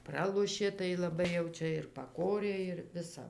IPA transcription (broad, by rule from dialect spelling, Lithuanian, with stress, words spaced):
ˈprɑːlˠoːʃʲeː tɐɪ lˠɐˈbɐɪ jɛʊ ˈt͡ʃʲɛ ɪr pɐˈkoːrʲeː ɪr ˈʋʲɪsɐ